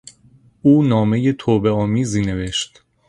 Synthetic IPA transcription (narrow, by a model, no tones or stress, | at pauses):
uːnɒːme̞je̞t̪ʰoːbe̞ɒːmiːziːne̞ve̞ʃt̪